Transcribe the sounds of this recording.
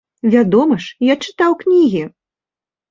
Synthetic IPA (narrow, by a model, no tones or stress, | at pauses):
vʲad̪ɔmɐʂjat͡ʂɨ̥t̪awknʲiɣʲi